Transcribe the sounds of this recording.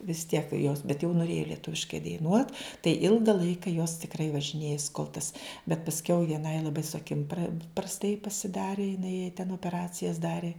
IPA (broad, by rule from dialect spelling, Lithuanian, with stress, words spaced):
ʋʲɪs tʲiɛk joːs bʲɛt jɛʊ nʊˈrʲeːjɛ lʲiɛˈtʊʋʲɪʃkɐɪ dɐɪˈnuɔt tɐɪ ˈɪlˠɡɐ ˈlˠɐɪkɐ joːs tʲɪkˈrɐɪ ʋɐʒʲɪˈnʲeːjɛs koːlˠ tɐs bʲɛt pɐsʲˈkʲɛʊ ʋʲiɛˈnɐɪ lˠɐˈbɐɪ sʊ ɐˈkʲɪm prɐ prɐsˈtɐɪ pɐsʲɪˈdɑːrʲɪ jɪˈnɐɪ jɛɪ tʲɛn oːpʲɛˈrɑːt͡sʲɪjɛs ˈdɑːrʲɪ